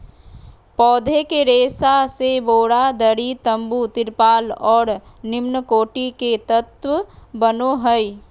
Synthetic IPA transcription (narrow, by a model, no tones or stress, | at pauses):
pɔːd̪ʱekeɾeːsaseboːɽad̪əɽit̪əmbut̪ɪɾpaːlɔːɾ | nɪmnəkoːʈiket̪ət̪wəbənoɦəj